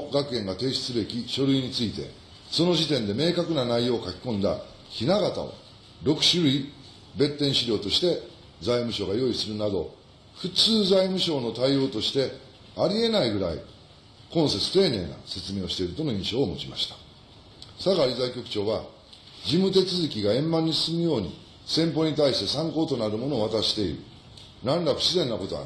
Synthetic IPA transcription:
ɡakɯ̟ẽ̞ŋɡat̪e̞ːɕi̥t͡sɨbe̞kʲiɕo̞ɾɯ̟iɲ̟it͡sɨit̪e̞̰ | so̞no̞ʑit̪ẽ̞nd̪e̞me̞ːkakɯ̟nanaijo̞ːkakʲi̥kõ̞nd̪a̰ | çinaɡat̪a̰o̞̰ | ɾo̞kɯ̟̥ɕɨɾɯ̟i | be̞t̪ːẽ̞ɰ̃ɕiɾʲo̞ːt̪o̞ɕi̥t̪e̞ | d͡zaimɯ̟ɕo̞ɡajo̞ːisɨɾɯ̟nad̪o̞̰ | ɸɯ̟t͡sɨːzaimɯ̟ɕo̞ːno̞t̪aijo̞ːt̪o̞ɕi̥t̪e̞ | aɾʲie̞naiɡɯ̟ɾa̰ḭ | kõ̞ɰ̃se̞t͡sɨ̥t̪e̞ːne̞ːna̰se̞t͡sɨme̞ːo̞ɕi̥t̪e̞iɾɯ̟t̪o̞noĩɰ̃ɕo̞ːmo̞̰t͡ɕimaɕi̥t̪ḁ | saɡaɾʲizaikʲo̞kɯ̟̥t͡ɕo̞ːβa | d͡ʑimɯ̟t̪e̞t͡sɨzɨkʲiɡaẽ̞mːãɲ̟ːisɨ̥sɨmɯ̟jo̞ːɲ̟ḭ | sẽ̞mpo̞ɲ̟it̪̬aiɕi̥t̪e̞sãŋko̞ːt̪o̞naɾɯ̟mo̞no̞ːβat̪aɕi̥t̪e̞ḭɾɯ̟̰ | nãnɾako̥ɕizẽ̞nːako̞t̪o̞a̰

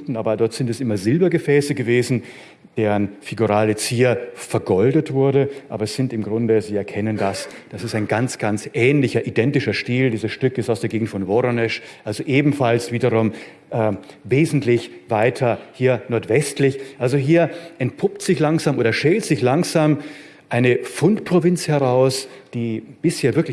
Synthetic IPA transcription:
tn̩ʔaːbɐdɔɐtz̥ɪntɛsʔɪmɐzɪlbɐɡəfɛːsəɡəveːzn̩ | d̥eːʁənfɪɡuʁaːlət͡siːɐfɛɐɡɔldətv̥ʊɐɾəʔaːbɐɛsz̥ɪntɪmɡʁʊndəziːɛɐkʰɛnəndasd̥asɪstaɪnɡant͡sɡ̥ant͡sʔɛːnlɪçɐʔidɛntɪʃɐʃtiːldiːzəsʃtʏkɪstaʊsd̥eːɐɡeːɡŋ̩tfɔnvoʁonɛʃʔalzoʔeːbm̩falsv̥iːdɐʁʊm | ʔɛːveːzn̩tlɪçvaɪtʰɐhiːɐnɔɐtv̥ɛstlɪçʔalzoɦiːɐʔɛnt̚pʰʊptz̥ɪçlaŋzaːmʔoːdɐʃɛltz̥ɪçlaŋzaːm | ʔaɪnəfʊntpʁ̥ovɪnt͡shɛʁaʊsd̥iːb̥ɪsheːɐvɪɐklɪ

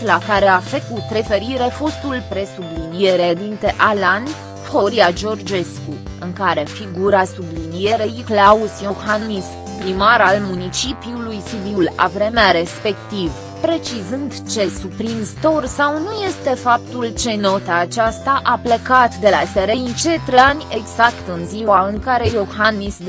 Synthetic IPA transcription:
lakaɾe̞afe̞kut̪ɾe̞fe̞ɾiɾe̞fo̞st̪ulpɾe̞sublinije̞ɾed̪int̪e̞ʔalan | foɾiad͡ʒo̞rd͡ʒe̞skuɨŋkaɾe̞fiɡuɾasublinije̞ɾe̞jiklausjohanmis | pɾimaɾalmunit͡ʃipiulujsid̪iula̰vɾe̞meaɾe̞spe̞kt̪iv | pɾe̞t͡ʃizɨnd̪t͡ʃe̞supɾinst̪orsawnuje̞st̪e̞fap̚t̪ult͡ʃe̞no̞t̪aːt͡ʃast̪aʔaple̞kat̪d̪e̞laseɾeint͡ʃe̞t̪ɾanʲe̞ɡz̥akt̪ɨnziwaɨŋkaɾe̞joxanːisd̪

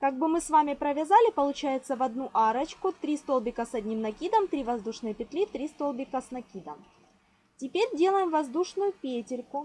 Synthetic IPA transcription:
kaɡ̚bɨmɨsvamʲɪpɾəvʲɪzalʲɪpəlˠʊt͡ɕæjɪt̪səvɐd̪nuʔaɾət͡ɕkʊt̪ɾʲist̪olˠbʲɪkəsɐdʲnʲimnɐkʲid̪əmt̪ɾʲivɐzd̪uʂnɨjəpʲɪt̪lʲit̪ɾʲist̪o̞lˠbʲɪkəsnɐkʲid̪əm | tʲɪpʲeɾʲdʲe̞lˠəjɪmvɐzd̪uʂnʊjʊpʲetʲɪɾʲkʊ

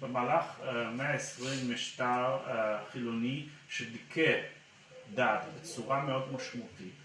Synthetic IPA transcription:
bemaːlaχmeaesʁimːiʃt̪aʁχiloni | ʃedikʰe | d̪at̪bet͡suʁameo̞d̪maʃmaut̪it

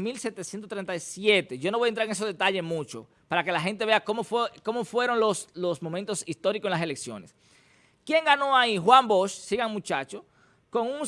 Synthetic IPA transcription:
milset̪esjent̪ost̪ɾent̪aisjet̪e̞ʝo̞noβjent̪ɾaɾeŋes̬oðe̞t̪aʎe̞mut͡ʃo̰ | paɾakelaɦent̪̬e̞βeakomofweko̞mofwe̞ɾo̞ŋloslosmo̞mẽnt̪o̞sist̪o̞ɾikosenlas̬e̞leksjo̞̰ne̞s | kje̞ŋɡano̞aixwamboʃsiɣaŋmut͡ʃat͡ʃo | ko̞ŋuŋ

